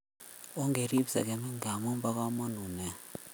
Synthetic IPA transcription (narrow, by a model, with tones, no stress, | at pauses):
o˦ŋɡe˨ɾi˦psa̰˨ke˨mɛ˦ŋɡa˨mo˦mba˦ka˦mo˦nu˨nɛ˨